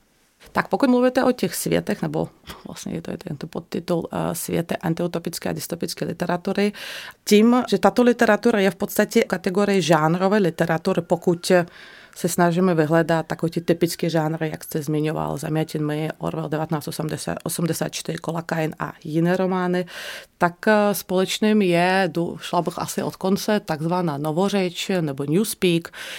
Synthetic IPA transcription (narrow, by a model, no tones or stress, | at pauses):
t̪ak̚pɔkuɟmluʋɛt̪ɛʔɔt̪ixsʋɪɛ̰t̪ɛɣnɛbɔ̰ʋla̰sɲɛ̰jɛt̪ɔ̰jɛ̰t̪ɔɛ̰nt̪ɔpɔ̰t̪ːit̪ulsʋɪɛ̰t̪ɛʔant̪iut̪ɔpit͡skɛa̰d̪ist̪ɔpit͡skɛjlḭt̪ɛɾat̪uːɾit̪iːmʒɛt̪aːt̪ɔlit̪ɛɾat̪uːɾajɛfpɔt̪st̪acɛkat̪ɛɡɔːɾiɛʒaːnɾɔʋɛjlit̪ɛɾat̪uːɾipɔkuc | sɛsnaʒimɛviɦlɛd̪at̪ːakɔɛt̪it̪ipit͡skiʒaːnɾɪja̰kst̪ɛzmɪɲɔʋa̰lza̰mɪɛcɛnmɪʔɔ̰ɾvɛld̪ʲɛʋat̪ɛnaːst̪osɛmd̪ɛsa̰ʔosɛmd̪ɛsa̰ːt̪t͡ʃt̪ɪɾɪkɔlakajna̰jinɛːɾɔmaːnɪt̪akspɔlɛt͡ʃniːmjɛd̪uʃlabəxa̰sɪʔɔ̰t̪kɔnt͡sɛt̪aɡzʋanaːnɔʋɔrɛt͡ʃnɛbɔɲjuːspiːk